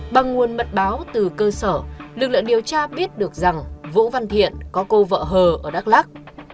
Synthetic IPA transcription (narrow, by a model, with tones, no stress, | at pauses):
ɓa˨˩ŋːu˨˩ənmə˨˩t̚ɓaː˨˦wt̪ɨ˨˩kəː˧səː˧˩lɨ˨˩k̚lɨ̰˧˨ŋɗi˨˩əwt͡ɕaː˧ɓi˦˥ət̚ɗɨ˨˩ək̚za˨˩ŋvṵ˧˥va˧nt̪ʰḭ˧˨ənkɔ˨˦ko˧və̰ː˧˨ɦəː˨˩ʔəː˧˩ɗa˦˥k̚laː˦˥k̚